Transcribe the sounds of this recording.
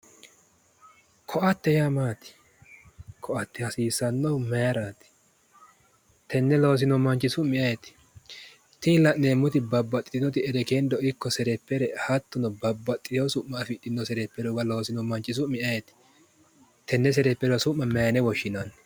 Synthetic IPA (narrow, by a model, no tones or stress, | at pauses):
kʰɔʔɐt̪ːɛjamaːt̪ɪ̥ | kʰɔʔɐt̪ːɪhɐsiːsɐnːɔmɛɾaːt̪ɪ̥ | t̪ʰɛnːɛlo̞ːs̬ɪnɔmɐnt͡ʃʼːɪsʊmɪɐjɛt̪ɪ̥ | t̪ɪlɐʔneːmːʊt̪ɪbɐbːɐt̪ʼːɪt̪ɪnɔt̪ɪɛɾɛkend̪ɔɪkːɔsɛɾɛpːɛɾɛhɐt̪ːʊnɔbɐbːɐt̪ʼːɪt̪oːsʊʔmːɐːfɪt̪ːɪnːɔsɛɾɛpːɛɾɔɡɐlo̞ːsɪnɔmɐnt͡ʃʼːɪs̬ʊmɪʔɐjɛt̪ɪ̥ | t̪ɛnːɛs̬ɛɾɛpːɛɾɔsʊmːɐmɛjnɛwɔʃːɪnanː